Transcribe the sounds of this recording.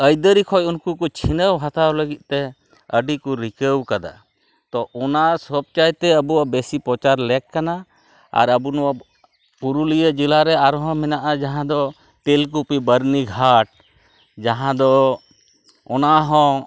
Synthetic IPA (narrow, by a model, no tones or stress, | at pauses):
əjd̪əɾikʰɔjunkukɔt͡ʃʰinəwɦat̪ʰaləɡit̪̚ˀt̪ɛ | əɖikuɾikəwkad̪a̰ | t̪ɔʔɔnasɔb̚t͡ʃajt̪ɛəbuwabesipɾɔt͡ʃaɾlɛkkːana | a̰ɾəbunɔwa | puɾulijəd͡ʒilaɾɛaɾɔɦɔ̃mɛnaʔad͡ʒaɦãd̪ɔ | ʈelkupibəɾniɡʱaʈ̚ | d͡ʒaɦãd̪ɔ | ɔnaɦɔ̃